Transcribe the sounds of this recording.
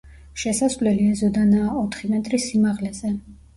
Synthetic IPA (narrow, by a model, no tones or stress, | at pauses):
ʃɛsasvlɛliɛzɔd̪anaːɔt̪ʰχimɛt̪ʼɾisimaʁlɛzɛ